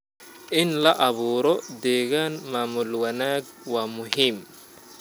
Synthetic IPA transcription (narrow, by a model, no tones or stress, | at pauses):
ʔɪnlɐʔɐβuːɾɔd̪ɛːɣaːnmaːmʊlwɐnaːɡ | waːmʊɦiːm